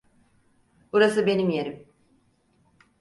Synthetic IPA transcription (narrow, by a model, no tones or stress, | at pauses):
buɾasɯbe̞nimjeɾim